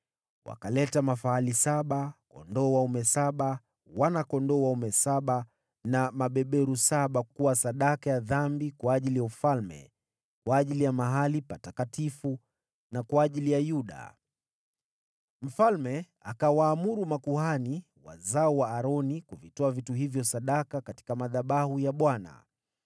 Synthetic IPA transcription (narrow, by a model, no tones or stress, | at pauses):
wa̰kalɛtamafaalisaɓakɔ̰ndɔwaumɛsaɓa | wanakɔndɔwaumɛsaɓa | namaɓɛɓɛɾusaɓakuwasaɗakajaðambikwaːʄilijaufalmɛ̰ | kwaːʄilijamaɦalipatakatifu | nakwaːʄilijajuɗa̰ | m̩falmɛ | akawaːmuɾumakuhani | wa̰zaɔwaːɾɔnikuvitɔavituɦivjɔsaɗakakati̥kamaðaɓahujaɓwana̰